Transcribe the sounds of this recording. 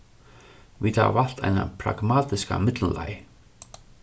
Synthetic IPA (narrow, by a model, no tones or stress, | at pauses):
vit̪haval̥t̪ʰajnapʰɾaɣmaːt̪ɪskamɪt̪llaj